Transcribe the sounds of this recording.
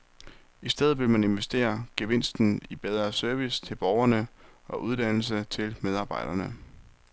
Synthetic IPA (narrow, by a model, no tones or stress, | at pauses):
isd̥eð̞̩ˠʋe̝lmæne̝nʋesd̥e̝̰ːɐɡ̥eʋe̝n̰sd̥n̩ib̥eð̞ˠʁɐːsøɐʋist͡sʰe̝lb̥ɒʊɐnəɒ̽ʔuð̞ˠd̥æn̰l̩s̬ət͡sʰe̝lmeð̞ˠɑ̈ːb̥ɑ̈ɪ̰d̥ɐnə